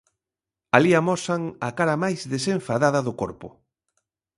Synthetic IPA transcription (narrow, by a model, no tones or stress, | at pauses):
aliamɔsaŋakaɾɐmajzðesẽɱfaðaðɐðʊkoɔ̰ɾpʊ̰